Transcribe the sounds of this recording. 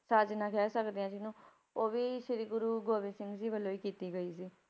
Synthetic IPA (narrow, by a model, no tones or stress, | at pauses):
sad͡ʒnãːkɛːsəkd̪eãːd͡ʒɪnũː | oːʋiːʃɪɾiːɡʊɾuːɡoːʋɪ̃sɪ̃ŋɡd͡ʒiːbəloːiːkiːt̪iːɡəiːsiː